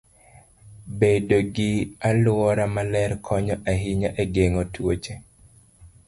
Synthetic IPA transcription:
bedoɡɪalʊɔɾamalɛrkʰɔɲɔʔaɦɪɲaʔeɡeŋotwot͡ʃe

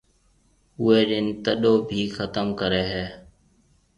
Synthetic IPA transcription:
ʊeːɗɪnt̪əɗoːbʱiːxət̪əmkəɾeːɦɛː

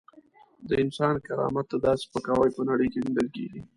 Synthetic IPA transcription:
d̪əɪnsɑnkaɾɑ̰mat̪ːad̪ɑse̥pəkɑwajpənaɽəjkeniɖ̪əlkḛɡi

